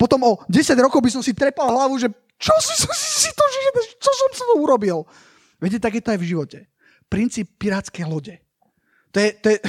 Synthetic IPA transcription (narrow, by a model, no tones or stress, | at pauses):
pɔt̪ɔmɔɟɛsaɟɾɔkɔʊbis̬ɔmsit̪ɾɛpalˠɦlaʋuʒɛ | t͡ʃɔsɔsɔmsisit̪ɔʒɛɛd̪ɛt͡ʃɔsɔmsit̪ɔuɾɔbil | ʋɛcɛt̪aɡjɛt̪ɔajvʒiʋɔcɛ | pɾint͡siːpːiɾaːt͡skɛjlɔɟɛ | t̪ɔjɛt̪ɔjɛ